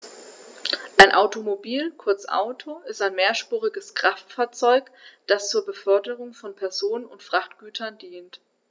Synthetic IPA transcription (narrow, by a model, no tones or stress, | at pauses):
ʔaɪnʔaʊtomobiːlkʰʊɐt͡sʔa̰ʊtʰoɪstaɪnmeːɐʃpuːʁɪɡəskʁ̥aftfaːɐt͡sɔʏkd̥ast͡suːɐbəfœɐdəʁʊŋfɔnpʰɛɐzoːnənʊntfʁ̥aχtɡ̥yːtʰɐndiːnt